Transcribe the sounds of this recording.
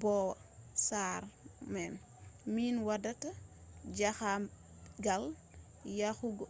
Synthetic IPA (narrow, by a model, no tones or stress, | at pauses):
bɔw | saːɾmɛn | minwadɐtɐɟaxa | ɡal | jaxuɡɔ